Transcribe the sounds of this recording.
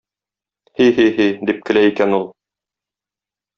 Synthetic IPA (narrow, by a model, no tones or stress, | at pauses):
hiɦiɦid̪ip̚kɘ̆læikænulˠ